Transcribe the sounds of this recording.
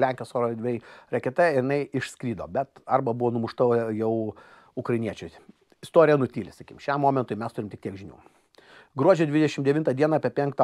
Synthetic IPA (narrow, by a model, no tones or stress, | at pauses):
lʲæŋʲkʲoːsoːɾod̪ʲʋʲɛɪɾʲɛkʲɛt̪ɛɪɾnɐɪʔɪʃskɾʲiːd̪o̰ːbʲɛt̪ɐrbɐbuʋoːnʊmʊʃt̪ɐjɛʊ | ʊkɾɐɪnʲiɛt͡ʃʲʊɪ | ɪst̪oːɾʲɪjɛnʊt̪ʲiːlʲɪsɐkʲiːmʃʲɛmːoːmʲɛnt̪ʊɪmʲɛst̪ʊɾʲɪmtʲɪkt̪ʲiɛkʒʲɪnʲṵː | ɡɾuɔd͡ʒʲɛd̪ʲʋʲɪd̪ʲɛʃʲɪmd̪ʲɛʋʲɪnt̪ɐd̪ʲiɛnɑɑːpʲiɛpʲɛŋkt̪ɑ